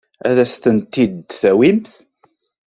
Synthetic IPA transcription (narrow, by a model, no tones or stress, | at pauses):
æ̰ðæst̪ənt̪ːid̪θæwimθ